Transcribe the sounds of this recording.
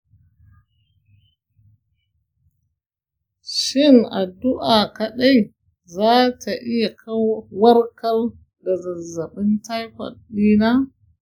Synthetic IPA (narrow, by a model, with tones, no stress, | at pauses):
ʃɪ˦na̰˨du˦ʔa˨ka˨ɗa˦j | zaː˦tʰa˨ʔi˦ja˨kʰa˦wwɐ˦ɾkɐ˦l | da˨za˨zːa˨ɓɪ˦nta˦jkʷa̰˨ɗi˦na˦